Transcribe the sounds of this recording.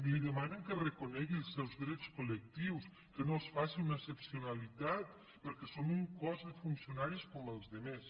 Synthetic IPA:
mliðəmanəŋkərəkunɛɣiəlˠsːɛwzðɾɛt͡skulək̚t̪iws | kənosfasinunəesəpsiunalit̪at̪ | pəɾkɛsomuŋkɔzðəfunsiunaɾiskɔməlˠzðəmɛs

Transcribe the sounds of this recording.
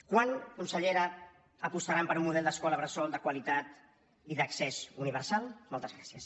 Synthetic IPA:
kwankunsəʎeɾəː | pust̪aɾampəɾumuðɛlˠd̪əskɔləβɾəsɔlˠd̪əkwalit̪at̪ | iðəksɛzuniβ̞əɾsalˠmɔlˠt̪əzɣɾasiəs

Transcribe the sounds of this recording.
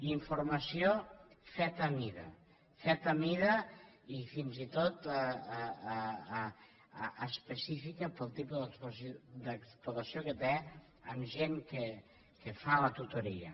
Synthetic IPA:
iɱfuɾmɐsijo | fɛt̪əmiðɐ̰ | fɛt̪əmiðə | ifinzit̪ot̪ | spəsifikəpəlˠt̪ipuðəspsd̪əkspɾut̪ɐsiokət̪e | əmʒeŋke | kəfalət̪ut̪oɾiə̰

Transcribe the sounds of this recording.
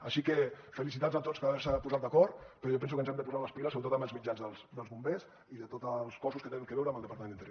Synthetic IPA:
aʃikefəlis̬it̪azat̪ot͡spəɾaβɛɾsəpuzat̪̚d̪əkɔɾt̪pəɾɔjɔpɛns̬ukənzɛmd̪əpuzaɾləspiləsoɾət̪ot̪əməlzmid͡ʒazðəlˠsd̪əlˠzβumbes | iðət̪ot̪əlˠskɔsuskət̪eniŋkəβɛwɾəːmbəlˠd̪əpaɾt̪mẽninɾjo

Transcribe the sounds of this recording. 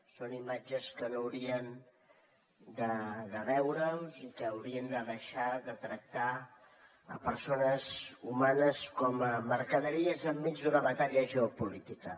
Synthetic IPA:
sonimad͡ʒəskənoəwɾiən | d̪əðəβɛwɾəlzikəːwɾiənd̪əðəʃaðət̪ɾək̚t̪a | ə̰pəɾsonəzumanəskɔməməɾkəðəɾiəzəmːid͡ʒd̪unəβət̪aʎəʒəopulit̪ikə

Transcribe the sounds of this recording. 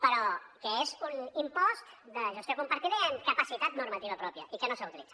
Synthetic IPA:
pəɾɔkəezunimpɔzd̪əʒəst̪jokumpəɾt̪iðəəŋkəpəsit̪at̪nuɾmət̪iβəpɾɔpjə̰ʔikənosaut̪ilḭ̥d͡z̥at̪

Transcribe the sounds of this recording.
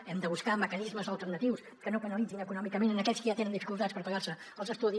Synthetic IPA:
ɛmd̪əβuskaməkənizməzəlˠt̪əɾnət̪iws | kənokənəlid͡zinəkunɔmikəmenənəkɛʎskəʒat̪enənd̪ifikulˠt̪at̪spəɾpəɣarsə | əlˠzəst̪uði

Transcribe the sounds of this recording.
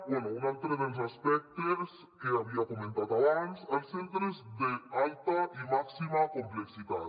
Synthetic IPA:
bwenounalt̪ɾed̪elos̬aspek̚t̪eɾs | keaβiakomẽnt̪at̪aβansajsent̪ɾezd̪ealt̪aʔimaksimakompleksit̪at̪

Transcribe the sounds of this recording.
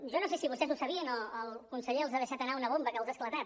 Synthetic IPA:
ʒonosesiβust̪ɛzusəβiənələlˠkunsəʎeəlˠzaðəʃat̪ənaunəβ̞ombəkəlˠzasklət̪at̪̚

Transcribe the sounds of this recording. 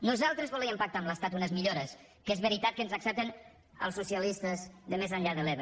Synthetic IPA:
nuzalˠt̪ɾəzβulɛəmpak̚t̪amləst̪at̪unəzmiʎoɾəs | kezβəɾit̪at̪̚kənzəksɛp̚t̪ən | ə̰lˠsːusiəlist̪əzðəmezəɲʎaðəleβ

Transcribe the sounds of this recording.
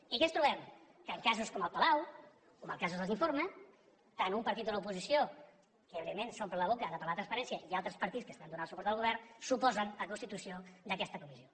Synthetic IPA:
ikɛnst̪ɾuβɛmkəlˠkazuskoməlˠpəlaw | koməlˠkazuzðəlziɱfoɾmə | t̪anumpəɾt̪it̪ələupuzisio | kəeβɾiəmensompəɾləβ̞okəðəpəɾlat̪ɾənspəɾɛnsiəʔialˠt̪ɾəspəɾt̪itskəst̪and̪unasupɔɾt̪əlˠɣuβ̞ɛrnsupɔzənləkunst̪it̪usiod̪əkɛst̪əkumisio

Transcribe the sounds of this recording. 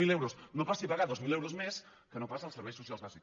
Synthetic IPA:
ilewɾosnopasipaɣaðozmilewɾozmes | kənõpasaːlˠseɾβejsu̥sjalˠzβasik

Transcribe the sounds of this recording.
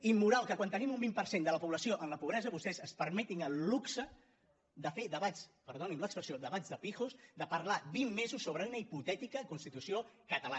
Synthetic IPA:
imːuɾalˠkəkwant̪ənimumbimpəɾsend̪ələpuβləsioʔənləpuβɾɛzəβust̪ɛzəspəɾmɛt̪iŋəlːuksə | d̪əfeðəβaspəɾð̞onimləkspɾəsioðəβad͡zðəpixusd̪əpəɾlaβimːezusːoβɾəunəiput̪ɛt̪ikəkunst̪it̪usiokət̪əla

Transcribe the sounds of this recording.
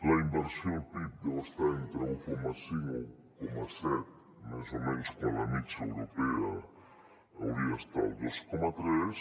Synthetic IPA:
laimbeɾsjopip̚d̪ost̪aent̪ɾeuwkomasiŋo | komasɛt̪̚ | mazomẽnskõnlamit͡ʃaewɾopea | awɾiast̪a̰w̪d̪oskomat̪ɾes

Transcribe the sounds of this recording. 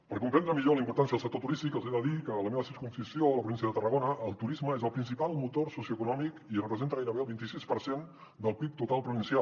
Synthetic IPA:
pəɾkumpɛnd̪ɾəmiʎoləimpuɾt̪ans̬iəðəlˠsək̚t̪ot̪uɾist̪ikəlˠzed̪əðikələmeβəsiɾkunsisjoləpɾuβins̬jəðət̪ərəɣonəʔəlˠt̪uɾizməezəlˠpɾins̬ipalˠmut̪orsusiuəkunɔmikirəpɾəzent̪əɣajɾəβeəlˠβint̪isispəɾsen | d̪əlˠpik̚t̪ut̪alˠpɾuβinsia

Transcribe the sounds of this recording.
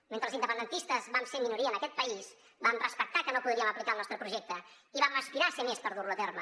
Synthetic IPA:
ment̪ɾəlzind̪əpənd̪ənt̪ist̪əzbamseminuɾiənəkɛt̪̚pəis | bamrəspək̚t̪akənopuðɾiəməplikalˠnɔst̪ɾəpɾuʒɛk̚t̪ə | iβaməspiɾasəmespəɾðurluət̪ɛrmə

